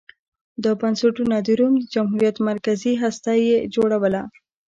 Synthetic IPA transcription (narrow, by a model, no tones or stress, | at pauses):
d̪əbanseʈunad̪iɾumd̪əd͡ʒamɦuɾijat̪maɾkaziɦast̪ɑjed͡ʒoɽawəla